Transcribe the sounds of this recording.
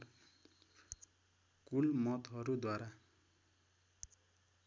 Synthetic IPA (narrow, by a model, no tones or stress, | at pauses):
kulmʌt̪ɦʌɾud̪waɾa